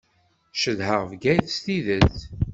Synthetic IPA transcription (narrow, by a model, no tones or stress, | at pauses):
ʃəðɦəʁvɡæjθst̪iðəθ